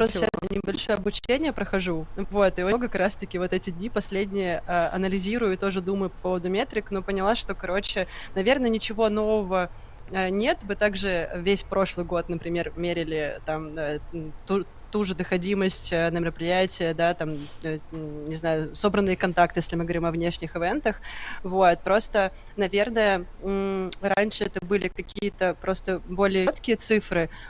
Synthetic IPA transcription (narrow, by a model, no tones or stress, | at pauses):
onʲɪbɐlʲʂojəɐbʊt͡ɕenʲɪjəpɾəxɐʐuvo̞t̪ɨoɡəkɐkɾast̪əkʲɪvo̞t̪ɛtʲɪdʲnʲipɐsʲlʲedʲnʲɪjəʔəʔɐnəlʲɪzʲiɾʊjʊɪt̪o̞ʐɨd̪uməjʊpɐpo̞vəd̪ʊmʲet̪ɾʲɪkno̞pənʲɪlˠaʂt̪o̞kɐɾo̞t͡ɕɪ | nɐvʲe̞rnənʲɪt͡ɕɪvo̞n̪o̞vəvə | ənʲet̪bɨt̪aɡʐɨvʲesʲpɾo̞ʂlˠɨjɡo̞t̪̚nəpɾʲɪmʲe̞rmʲeɾʲɪlʲɪt̪amət̪u | t̪uʐɨd̪əxɐdʲiməsʲtʲənəmʲɪɾəpɾʲɪjætʲɪjəd̪at̪amənʲɪznajʊso̞bɾənːɨjəkɐnt̪ak̚t̪ɨjesʲlʲɪmɨɡəvɐɾʲimɐvnʲeʂnʲɪxɪvʲɛnt̪əxvo̞t̪̚pɾo̞st̪ə | nɐvʲe̞rnəjə | ɾanʲʂɨɛt̪əbɨlʲɪkɐkʲijət̪əpɾo̞st̪əbo̞lʲɪjət̪kʲɪjət̪sɨfɾɨ